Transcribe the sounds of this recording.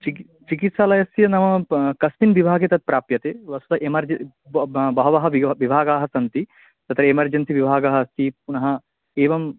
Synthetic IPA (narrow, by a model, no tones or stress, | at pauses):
t͡ʃi | t͡ʃikit̪saːlɐjɐsjɐnɐmɐkɐsminʋibʱaːɡet̪ɐt̪̚pɾaːpjɐt̪eːʋɐsut̪ɐʔemɐɾd͡ʒ | bɐɦɐʋɐɦɐʋibʱaːɡaːɦɐsɐnt̪i | t̪ɐt̪ɾɐemɐɾd͡ʒɐnsiʋibʱaːɡɐɦɐɐst̪ipunɐɦɐ | eːʋɐm